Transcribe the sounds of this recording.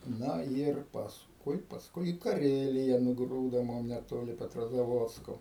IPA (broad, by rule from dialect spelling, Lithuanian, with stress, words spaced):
ˈnɐ iːr pɐsˈkʊɪ pɐsˈkʊɪ iː kɐˈrʲæːlʲɪjɛ nʊˈɡruːdoː ˈmʊm nʲɛˈtoːlʲɪ pʲɛtroːzɐˈʋoːtskoː